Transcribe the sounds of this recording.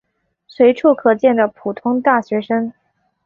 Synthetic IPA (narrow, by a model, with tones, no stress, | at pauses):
swe˧˥ɪʈ͡ʂʰu˥˩kʰɤ˨˩t͡ɕjɛ˥˩nd̪ə˩pʰu˨˩t̪ʰʊ˥ŋt̪a˥˩ɕɥɛ˧˥ʂə˥ŋ